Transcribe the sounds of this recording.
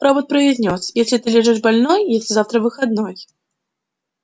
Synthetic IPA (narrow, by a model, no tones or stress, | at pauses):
ɾɔbət̪̚pɾɐizʲnʲɔsjesʲlʲit̪ɨlʲɛʐɛʂbalʲnɔjjesʲlʲɪzaft̪ɾɐvɨxad̪̚nɔj